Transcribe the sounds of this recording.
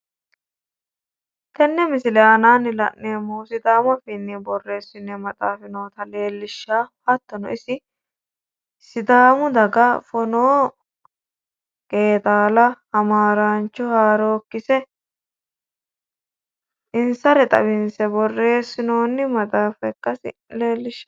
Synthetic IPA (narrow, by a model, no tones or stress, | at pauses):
t̪ɛnːɛmɪsɪlɛaːnaːnːɪlɐ̰ʔːeːmːɔːsɪd̪aːmɐfɪnːɛbɔrːe̞ːsːɪnːɛmɐt̪ʼaːfɪnoːt̪ɐle̞ːlːɪʃːaːhɐt̪ːɔnɔɪsɪ | sɪd̪aːmʊd̪ɐɡɐfɔnoː | kʼe̞ːt̪ʼaːlɐhɐmaːɾant͡ʃːɔhaːɾoːkːɪsɛ | ɪnsɐɾɛt̪ʼɐ̰bɪnsɛbɔrːe̞ːsːɪnoːnːɪmɐt̪ʼaːfɛkːɐsɪ̰leːlːɪʃːḁ